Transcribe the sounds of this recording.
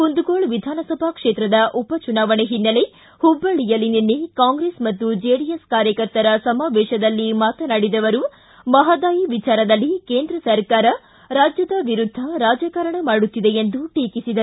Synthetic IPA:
hund̪uɡoːɭʋid̪ʱaːnɐsɐbʱɐkʂeːt̪ɾɐd̪ɐʔupɐt͡ʃunaːʋɐɳeɦinːɐle̞ | hubːɐɭijɐlininːekaːŋɡɾesmɐt̪ːud͡ʒeːɽijeskaːɾjɐkɐɾt̪ɐɾɐsɐmaːʋɛːʃɐd̪ɐlːimaːt̪ɐnaːɽid̪ɐʋɐɾu | mɐɦɐd̪aːjiʋit͡ʃaːɾɐd̪ɐlːikeːnd̪ɾɐsɐɾkaːɾɐ | ɾaːd͡ʒjɐd̪ɐʋiɾud̪ʱːɐɾaːd͡ʒɐkɐɾɐɳɐmaːɽut̪ːid̪e̞end̪uʈiːkisid̪ɐ

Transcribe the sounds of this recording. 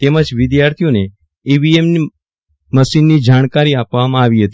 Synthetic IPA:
t̪eməd͡ʒʋɪd̪jaɾt̪ʰijone | ebiemni | məsinːid͡ʒaɽ̃kaɾiapʋamãaʋiɦət̪i

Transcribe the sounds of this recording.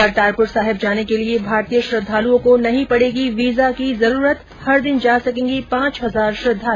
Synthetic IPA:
əɾʈaːɾpʊʈsaːɦɪbd͡ʒaːnekeliebʱaːɾt̪ijəʃɾɐd̪ʱːaːluõkonɐɦĩpɐɽ̤eːɡiʋiːzakizɐɾuːɾət̪ | hɐɾd̪ɪnd͡ʒaːsɐkẽːŋɡipãːt͡ʃɦɐzaːɾʃɾɐd̪ʱːaːl

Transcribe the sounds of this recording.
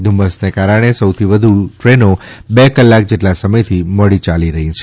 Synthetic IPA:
d̪ʱuməsnekaɾəɽ̃esəwt̪ʰiʋəd̪ʱuʈɾeno | bekəlːak̚d͡ʒeʈlasəməjt̪ʰiməɭit͡ʃaliɾəɦĩt͡ʃʰe

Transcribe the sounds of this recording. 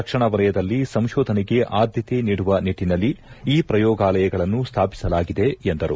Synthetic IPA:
ɐkʂɐɳɐʋɐlɐjɐd̪ɐlːisɐmʃɔːd̪ʱɐnɛɡe̞ʔaːd̪ʱjɐt̪eniːɽuʋɐniʈːinɐlːiːpɾɐjɔːɡaːlɐjɐɡɐɭɐnːust̪ʰaːpi̥sɐlaːɡid̪e̞end̪ɐɾṵ

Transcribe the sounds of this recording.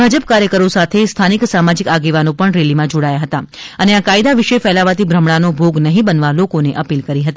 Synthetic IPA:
bʱad͡ʒəp̚kaɾjəkəɾosat̪ʰest̪ʰaniksamad͡ʒikaɡeʋanopəɳɾelimãd͡ʒoɽajaɦət̪aəneakaid̪aʋiʃefɛlaʋat̪ibʱɾəmɽanobʱoɡnəɦĩbənʋalokoneʔəpilkəɾiɦət̪i

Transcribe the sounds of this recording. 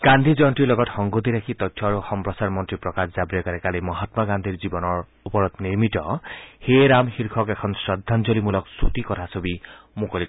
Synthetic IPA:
ɡ̥and̪ʱizɔntɹilɔɡɔtxɔŋɡot̬iɾakʰitɔtʰːɔaɹuxɔmpɹɔsaɹmɔntɹipɹɔkaszabiɔkaɹɛkalimɔɦatmaɡand̪ʱiɹzibɔnɔɹ | upɔɹɔtniɹmitɔ̰xejɾamxiɹkʰɔkɛkʰɔnsɹɔd̪ʱːanzolimulɔksutikɔtʰasobi | mukoli

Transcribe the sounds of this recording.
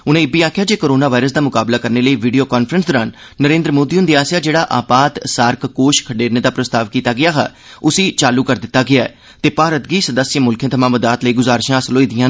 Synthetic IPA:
ʊnẽːɪbiːaːkʰjaːd͡ʒeːkoːɾoːnaːʋaːɪɾəs̬d̪aːmʊkaːblaːkəɾneːləiːʋiːɖijoːkaːnpʰɾənsd̪oːɾaːnː | əɾẽːnd̪ɾəmoːd̪iːʊnd̪iaːsjaːd͡ʒeːɽaːʔa̰ːpaːt̪saːɾkkoːʃkʰəɖeːɾneːd̪aːpɾəst̪aːʋkiːt̪aːɡɪaːɦɛ̰ː | ʊsiːt͡ʃaːluːkəɾd̪ɪt̪ːaːɡɪaːɛ̰ː | t̪eːpaːɾət̪ɡiːsəd̪əsjəmʊlkʰjẽt̪ʰəmãːməd̪aːt̪ləiːɡʊzaːɾʃãːsloːiːd̪ɪjãː

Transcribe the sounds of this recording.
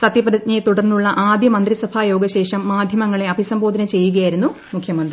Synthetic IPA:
sɐt̪jiɐprɐɲɐjt̪uɽɐrnːuɭːɐʔaːd̪jɐmɐnd̪ɾisɐbʱaːjo̞ːɡɐɕe̞ːʂɐmːaːd̪ʱjɐmɐŋːɐɭe̞ɐbʱisɐmbo̞ːd̪inɐt͡ɕe̞jːuɣɐjaːjiɾunːu | mukʰjɐmɐnd̪ɾii

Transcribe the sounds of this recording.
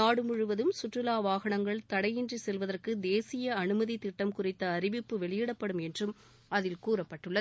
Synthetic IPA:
naːɽɯmʊɻɯʋɐðɯmsʊʈrɯlaːʋaːɣɐɳɐŋɡɐɭt̪ɐɽɐjɪndrisɛlʋɐðɐrkɯd̪eːsɪjɐɐnɯmɐðit̪ːɪʈːɐmkʊrɪt̪ːɐːrɪʋɪpːɯʋɛɭɪjɪɽɐpːɐɽɯmɛndrɯm | ɐðɪlkuːrɐpːɐʈːɯɭːɐ

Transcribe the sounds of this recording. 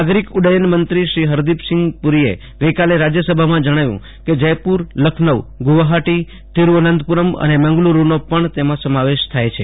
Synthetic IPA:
aɡɾikʊɖəjənmənt̪ɾiʃɾiɦəɾd̪ipsɪŋɡpuɾiḛ | ɡəjkaleɾad͡ʒjəsəbʱamãd͡ʒəɽ̃aʋjṵ̃ | ked͡ʒəjpuɾləkʰnəʋɡuʋaɦaʈi | t̪iɾuənənd̪ʱpuɾəmə̰nemə̃ŋɡluɾunopəɳt̪emãsəmaʋeʃt̪ʰajt͡ʃʰe

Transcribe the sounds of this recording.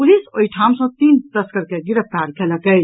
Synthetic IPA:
pulisoiʈʰamsə̃t̪iːnt̪əskəɾkeɡiɾəpaɾkʰeləkə

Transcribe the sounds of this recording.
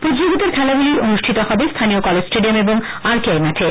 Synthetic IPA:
pɾoid͡ʑoɡit̪aɾkʰɛlabuliɾonuʃʈʰit̪ohɔbest̪ʰaniokɔled͡ʑsʈeɖiomeboŋ | aɾkaemaʈʰe

